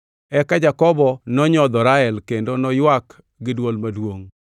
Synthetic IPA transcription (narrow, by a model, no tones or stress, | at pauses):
ɛkad͡ʒakɔbɔnɔɲɔd̪ɔɾaɛlkendonɔjwak | ɡɪdwolmadwoŋ